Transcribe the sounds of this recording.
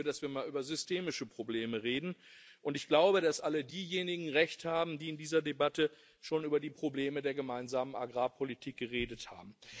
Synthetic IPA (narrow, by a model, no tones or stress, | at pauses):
dasv̥iːɐmaːlʔyːbɐzʏstʰeːmɪʃəpʁ̥obleːməʁeːdn̩ | ʔʊntɪçɡ̥laʊbədasʔalədiːjeːnɪɡŋ̩ʁɛçthaːbm̩diːɪndiːzɐdebatə | ʃoːnʔyːbɐdiːpʁ̥obleːmədeːɐɡəmaɪnzaːmənʔaɡʁaːpʰolitʰiːk̚ɡ̥əʁeːdətha̰ːbm̩